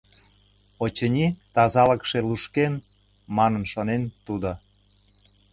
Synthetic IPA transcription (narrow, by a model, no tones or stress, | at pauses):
ot͡ɕənʲit̪ɑzɑləkʃeluʃken | mɑnənʃonent̪ud̪o